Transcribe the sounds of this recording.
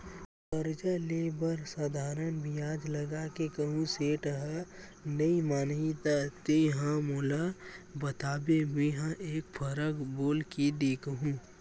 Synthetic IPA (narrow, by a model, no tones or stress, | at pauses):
pəɾd͡ʒaleːbəɾsad̪ʱaːɾənbʱijaːd͡ʒləɡakekəɦũseːʈəɦə | nɐimaːnɦit̪at̪ejɦãmoːlabət̪aːbeɦeɦãʔeːkfʰəɾəkboːlkid̪eːkɦũ